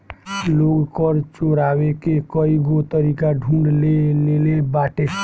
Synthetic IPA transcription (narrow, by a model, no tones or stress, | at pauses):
loːɡkəɾt͡ʃoɾaːwekekəiɡot̪əɾikaɖʱũɳɖlelelebaːʈe